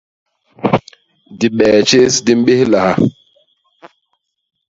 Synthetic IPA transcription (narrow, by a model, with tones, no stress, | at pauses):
di˨ɓɛː˨t͡ʃe˦sdi˦mɓe˦hla˨ha˨